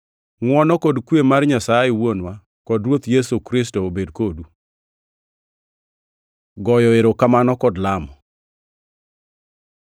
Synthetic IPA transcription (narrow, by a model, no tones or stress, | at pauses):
ŋwɔnɔkɔdkwemarɲasajɛwonwa | kɔdɾwot̪jesukɾɪs̬toobedkodu | ɡɔjɔeɾokamanɔkɔdlamɔ